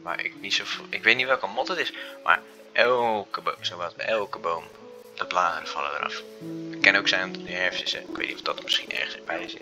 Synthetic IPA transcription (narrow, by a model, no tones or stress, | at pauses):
ʋa̰ːɹɪ̰knitsofɪkʋejtnitʋɛlˠkəmɔtətɪsma̰ːɹ | ʔɛlkəbosowʋatʋəʔɛlˠkəbowm | d̥əblaːdənv̥ɑ̰lˠə̰də̰ɾɑ̰fəkːɛnowksɛjmdənɛɹfsəsɛɪkʋḛjtnitɔfdɔtəmɪsχinɛ̰ɹχəsəbɛjsɪ̰t